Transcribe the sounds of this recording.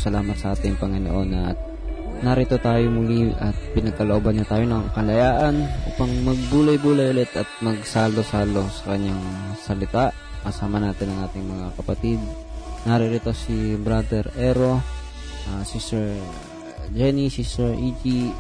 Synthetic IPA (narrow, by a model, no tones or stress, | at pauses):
sɐlaːmɐt̪̚sɐʔaːt̪ɪŋpɐŋɪno̰ʔo̞nʔɐ̰t̪̚ | naɾɪt̪o̞t̪aːjomʊliʔɐt̪̚pɪnɐɡ̚kɐloʔobɐnɲːat̪aːjo̞nɐŋkɐlɐjaːʔɐnʔuːpɐŋmɐɡ̚buːlɐjbuːlɐjʔʊlɛt̪ɐt̪̚mɐɡsaːlo̞saːlo̞sɐ̥kɐɲːaŋsɐlɪt̪aʔ | kɐsaːmɐnaːt̪ɪnɐŋʔaːt̪ɪŋmɐŋakɐpɐt̪id̪̚ | nɐɾɪɾɪt̪o̞sibɾad̪ɛɾɛɾo̞ | ʔasisɛɹ | d͡ʒɛnisisɛɹʔid͡ʒi